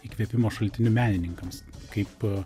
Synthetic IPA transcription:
iːkʋʲɛpʲɪmoːʃɐlʲt̪ʲɪnʲʊmʲæːnʲɪnʲɪŋkɐmskɐɪp

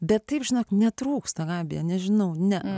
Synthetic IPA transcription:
bʲɛt̪tɐɪpʒʲɪnoːknʲɛt̪ɾuːkst̪ɐɡɑːbʲɪjɛnʲɛʒʲɪnɐʊnʲɛ

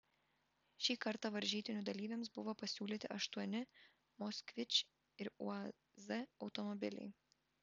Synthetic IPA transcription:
ʃʲiːkɐɾt̪ɑʋɐɾʲʒʲiːt̪ʲɪnʲud̪ɐlʲiːʋʲemsbʊʋopɐsʲuːlʲit̪ʲɪʔɐʃt̪uɔnʲɪ | mɔsʲkʋʲɪt͡ʃʲ | ɪɾṵɐ | zɛɒʊt̪ɔmɔbʲɪlʲɛ̰ɪ

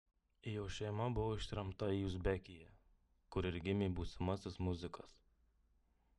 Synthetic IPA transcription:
ɪjoːʃʲɛɪmɐbʊʋoːɪʃʲt̪ʲɾʲɛmt̪ɐiːʊzʲbʲɛkʲɪjɛ | kʊɾɪɾʲɡʲɪmʲɛːbuːsʲɪmɐsʲɪsmʊzʲɪkɐs

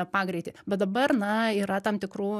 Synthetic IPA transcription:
pɑːɡɾʲɛɪt̪ʲɪːbʲɛt̪d̪ɐbɐrnɐiːɾɐt̪ɐmt̪ʲɪkruː

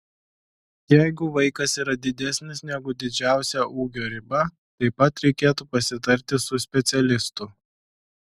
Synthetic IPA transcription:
jæɪɡʊʋɐɪkɐsiːɾɐd̪ʲɪd̪ʲæsʲnʲɪsnʲɛɡʊd̪ʲɪd͡ʒʲæˑʊsʲæʔuːɡʲoːɾʲɪbɐ | t̪ɐɪpɐt̪ɾʲɛɪkʲeːt̪uːpɐsʲɪt̪ɐɾʲt̪ʲɪsʊsʲpʲɛt̪sʲɛlʲɪst̪ʊ

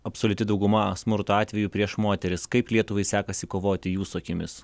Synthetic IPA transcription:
ɐpsoːlʲʊt̪ʲɪd̪ɐʊɡʊmɐsmʊɾt̪oɑːt̪ʲʋʲɛjuːpʲɾʲiɛʃmoːt̪ʲɛɾʲɪskɐɪplʲiɛt̪ʊʋɐɪsʲæːkɐsʲɪkoːʋoːt̪ʲɪjuːsoːkʲɪmʲɪs

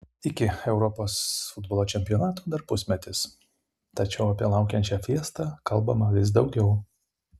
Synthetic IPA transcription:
ɪkʲɪɛʊɾɔpoːsfʊd̪bolˠoːt͡ʃʲɛmʲpʲɪɔnɑːt̪uːd̪ɐɾpʊsʲmʲɛt̪ʲɪs | t̪ɐt͡ʃʲɛʊɐpʲiɛlˠɑˑʊkʲɛnʲt͡ʃʲɛfʲiɛst̪ɑkɐlˠbɐmɐʋʲɪs̬d̪ɒʊɡʲɛʊ

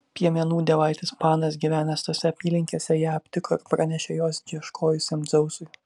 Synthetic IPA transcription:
pʲiɛmʲɛnuːd̪ʲɛʋɐɪt̪ʲɪspɑːnɐsɡʲiʋʲæːnʲɛst̪oːsʲɛɐpʲiːlʲɪŋʲkʲeːsʲɛjæɐpʲt̪ʲɪkoɪɾpɾɐnʲɛʃʲɛjoːsd͡ʒʲiɛʃkʰoːjʊsʲɛmd̪zɐʊsʊɪ

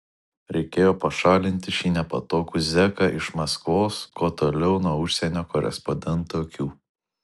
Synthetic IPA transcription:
ɾʲɛɪkʲeːjoːpɐʃɑːlʲɪnʲt̪ʲɪʃʲiːnʲɛpɐ̰t̪oːkuːzʲɛkɑʔɪʃmɐskʋoːskoːt̪oːlʲɛʊnuɔʊʃʲsʲɛnʲoːkɔɾʲɛ̰spɔd̪ʲɛnˑt̪oːkʲuː

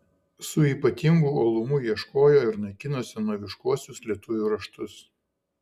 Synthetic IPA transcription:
sʊiːpɐt̪ʲɪŋɡuːoːlˠʊmʊjiɛʃkoːjoːɪɾnɐɪkʲɪnoːsʲɪnuɔʋʲɪʃkuɔsʲʊslʲiɛt̪ʊʋʲuːɾɐʃt̪ʊs

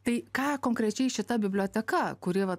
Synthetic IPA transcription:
t̪ɐɪkɑːkoːŋkɾʲɛt͡ʃʲɛɪʃʲɪt̪ɐbʲɪbʲlʲoːt̪ʲɛkɐkʊɾʲiɛʋɐ

